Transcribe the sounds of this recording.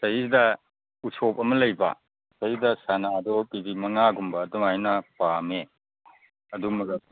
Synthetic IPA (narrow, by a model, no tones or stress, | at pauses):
sɐidɐ | usopɐmɐlɐjbɐ̰ | sɐidɐsanadɔpibimɐŋaɡumbɐːduŋajnɐpame | ɐdumuɡ